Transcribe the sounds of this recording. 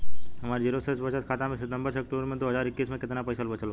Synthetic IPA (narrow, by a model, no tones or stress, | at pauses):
ɦɐmaːɾd͡ʒiːɾosesbət͡ʃəskʰaːt̪amẽsɪt̪ə̃mbəɾsekʈuəɾmẽd̪oːɦəzaːɾɪkːiːsmẽkɪt̪napəjsəlbət͡ʃʰəl